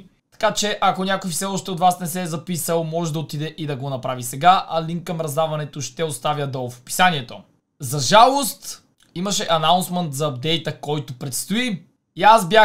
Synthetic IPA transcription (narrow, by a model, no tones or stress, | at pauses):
t̪ɐ̥kat͡ʃɛʔɐkonʲakoifsɛɔʃt̪ɛot̪vasnɛsɛzɐpisəlˠmɔʒɛd̪ɐot̪id̪ɛʔid̪ɐɡonɐpɾavisɛɡaʔɐliŋkːɐmɾɐzd̪avɐnɛt̪oʃt̪ɛost̪avʲjəd̪ofpi̥saniɛt̪o | zɐʒalˠost̪ | imɐʃɛʔɐnaʊnsmɛnt̪zɐːb̚d̪ɛjt̪əkɔjt̪opɾɛt̪st̪oi | iasbʲja